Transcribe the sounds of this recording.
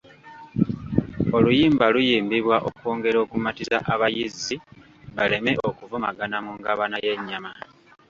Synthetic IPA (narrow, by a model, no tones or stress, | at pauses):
o̞lujiːmbalujiːmbiβwaʔo̞̰ko̞ːŋɡe̞ɾo̞ːkumatiza̰ʔaβajizi | βale̞me̞ʔokuvumaɡanamuŋɡaβanaje̞ɲːama